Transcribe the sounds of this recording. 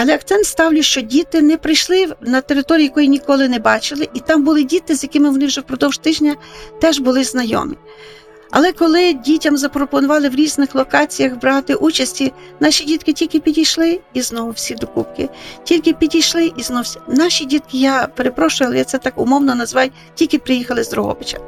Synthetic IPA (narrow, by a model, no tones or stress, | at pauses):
ɐlˠɛɐkt̪sɛnt̪st̪ɑwlʲʊʃt͡ʃɔdʲit̪ɪnɛpɾɪjʃlˠɪnɐt̪eɾɪt̪ɔɾʲiːjɐkɔjinʲikɔlˠɪnɛbɑt͡ʃɪlˠɪʔit̪ɑmbʊlˠɪdʲit̪ɪzʲjɐkɪmɪʋɔnɪwʒɛwpɾɔd̪ɔwʒ̥t̪ɪʒnʲɐt̪ɛʒbʊlˠɪznɐjɔ̰mi | ɐ̰lˠɛkɔlˠɪdʲitʲɐmzɐpɾɔpɔnʊʋɑlˠɪwɾʲiznɪxlˠɔkɑt͡sʲijɐxbɾt̪ɪʔut͡ʃɐsʲtʲi | nɑʃʲidʲit̪kɪtʲilʲkɪpʲidʲijʃlˠɪiznɔɦʊwsʲid̪ɔkṵpkɪtʲilʲkɪpʲidʲijʃlˠɪʔiznɔsʲnɑʃʲidʲit̪̚kɪjɑpeɾepɾɔʃʊʋɐlˠjat̪sɛt̪ɑkʊ̰mɔwnɔnɐzʋɑj | tʲilʲkɪpɾɪjixɐlˠɪzd̪ɾɔɦɔ̰bɪt͡ʃɐ̰